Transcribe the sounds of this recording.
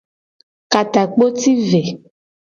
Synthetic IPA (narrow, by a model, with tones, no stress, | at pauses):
ka˨ta˨k͡po˦ti˦ve˨